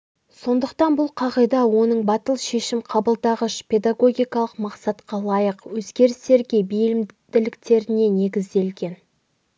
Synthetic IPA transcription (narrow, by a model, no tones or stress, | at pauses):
so̞nd̪əqt̪ɑnbʊlˠqʰɑʁəjd̪ɑwo̞nəɴbɑt̪əlˠʃe̞ʃɪmqʰɑbəlˠd̪ɑʁəʃpʲʰe̞d̪aɡo̞ɡʲijkɑlˠəqmɑqsɑt̪qɑlˠɑjəqwɵzɡʲe̞ɾɪst̪e̞ɾɡʲe̞bijlɪmd̪̥ɪlɪkt̪e̞ɾɪne̞ne̞ɡʲɪzd̪e̞lɡʲe̞n